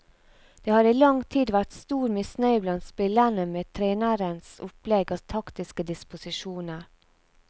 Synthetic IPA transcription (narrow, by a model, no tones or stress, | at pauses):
d̪̥eːhɑːɾiːlɑŋt̪ʰiːd̪ʋæʈst̪uːɾmɪsnœʏblɑnt̪spɪlænəmeːt̪ʰɾeːnəɾənsʊplɛɡɑʋt̪ʰɑkt̪ɪskəd̪ɪspʊsɪʃuːnəɾ